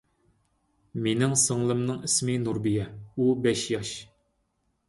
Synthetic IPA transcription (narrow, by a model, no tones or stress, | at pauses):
menɪŋsəŋlˠɨmnɨŋismɪnuɾbijɛubɛʃjɑʃ